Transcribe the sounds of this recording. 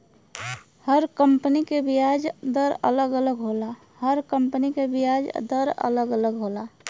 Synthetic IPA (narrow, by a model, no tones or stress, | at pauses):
həɾkəmpnikebijad͡ʒd̪əɾə̰ləɡələɡɦola | həɾkəmpnikebijad͡ʒd̪əɾə̰ləɡələɡɦola